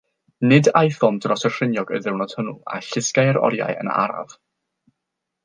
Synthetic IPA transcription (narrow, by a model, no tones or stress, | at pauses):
nɪdajθɔmdrɔsər̥ɪnjɔɡə̰jðɪwnɔd̥hənua̰ɬɪskajəɾɔ̰ɾja̰jə̰na̰ɾa̰v̥